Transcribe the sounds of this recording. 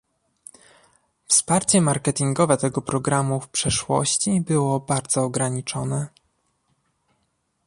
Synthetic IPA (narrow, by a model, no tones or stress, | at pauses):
fspaɾt͡ɕɛmaɾkɛt̪iŋɡɔvɛt̪ɛɡɔpɾɔɡɾamufpʂɛʂwɔ̰ɕt͡ɕibɘwɔbaɾd̪zɔːɡɾaɲit͡ʂɔnɛ